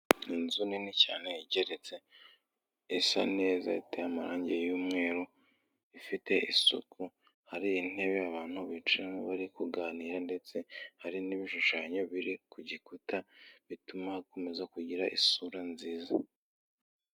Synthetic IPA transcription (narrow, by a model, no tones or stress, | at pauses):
inzuninicaːne̞iɟe̞ɾe̞t͡se̞ | isa̰ne̞ːza̰itejamaɾaːɲɟejuːmŋe̞ːɾo | ifite̞isṵkʰu | haɾiːn̥e̞βeaβaːn̥huβit͡ʃiɾaoβaɾikuɡaːniːɾande̞t͡se̞haɾiniβiʃuʃaːɲo̞βiɾikuɟikutaβitumahako̞me̞zakuɟiɾaʔḭsuɾanziːza